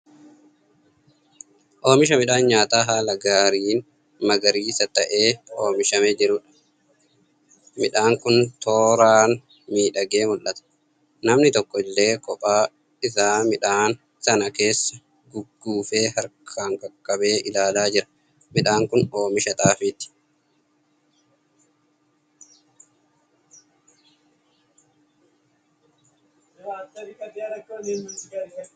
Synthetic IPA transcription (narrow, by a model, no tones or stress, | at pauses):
ʔo̞ːmɪʃ̬ɐmɪᶑaːnɲaːt̪aːɦaːlɐɡaːɾiːn | mɐɡɐɾiːsɐt̪ɐʔe̞ːoːmɪʃɐmɛd͡ʒɪɾʊᶑɐ̥ | mɪᶑaːŋkʊnt̪o̞ːɾaːn | miːᶑɐɡe̞ːmʊlʔɐt̪ɐ̥ | nɐmnɪt̪ɔkːɔɪlːe̞ːkɔpʼaː | ɪsaːmɪᶑaːn | sɐnɐke̞ːsːɐ | ɡʊɡːuːfe̞ːɦɐɾkʰaːŋkɐkʼːɐbe̞ːʔɪlaːlaːd͡ʒɪɾɐ̥ | mɪᶑaːŋkʊno̞ːmɪʃɐt̪ʼaːfɪt̪ɪ̥